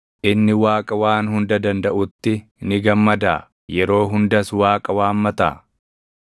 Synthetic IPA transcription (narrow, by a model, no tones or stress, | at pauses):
ʔɪnːɪwaːkʼɐwaːnhʊnd̪ɐd̪ɐnd̪ɐʔʊt̪ːɪnɪɡɐmːɐd̪a̰ː | jɛɾo̞ːɦʊnd̪ɐswaːkʼɐwaːmːɐt̪a̰ː